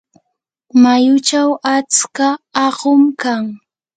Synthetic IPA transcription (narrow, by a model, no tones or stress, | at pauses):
majʊt͡ʃawat͡skaːɢʊmkaŋ